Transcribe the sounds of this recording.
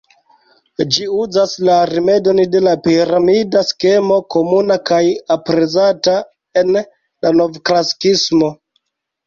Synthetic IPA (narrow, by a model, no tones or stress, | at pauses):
d͡ʒiuzaslaɾime̞do̞nde̞lapiɾamidaske̞mo̞ko̞munakajapɾe̞zata | e̞n | lano̞vklasi̥kismo̞